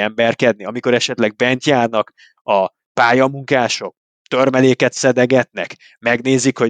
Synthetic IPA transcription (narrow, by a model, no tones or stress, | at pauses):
ɛmbɛrkɛd̪̚niɒmiko̞ɾɛʃɛt̪lɛɡ̚bɛnt̪jaːrnɒk | ɒ | paːjɒmuŋkaːʃo̞k̚ | t̪ørmɛleːkɛt̪sɛd̪ɛɡɛt̪nɛk | mɛɡneːzikho̞